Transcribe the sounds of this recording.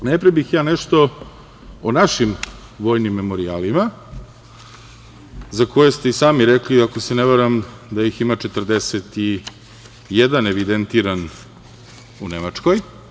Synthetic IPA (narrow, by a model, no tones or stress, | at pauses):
nepɾebixjaːneʃt̪o̞ | onaʃim | ʋo̞ːjnimːe̞mo̞ɾiaːlima | zako̞jest̪e̞isaːmiɾekliakoseneʋeɾamd̪ajiximat͡ʃet̪rd̪eset̪i | jed̪aneʋid̪ent̪iːɾan | unemat͡ʂko̞j